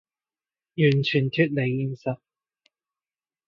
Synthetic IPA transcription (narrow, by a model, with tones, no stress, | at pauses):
jyː˨˩nt͡ʃʰyː˨˩nt̪ʰyː˧˥t̚le˨˧jːiː˨˧nsɐ˨˥t̚